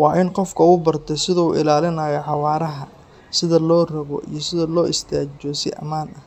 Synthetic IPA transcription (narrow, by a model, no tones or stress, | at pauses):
wɑːʔɪnqɔfkʰɐubɐrt̪ʰɛjsɪðɐuːʔɪ̰laːlɪnɐjɔʕɑwɑːɾɐɦɐ | sɪðɐlɔːrɐɣɔ̰ʔḭjɞsɪðɐlɔːʔɪst̪ʰaːt͡ʃɔsɪʔɐ̰maːnɐh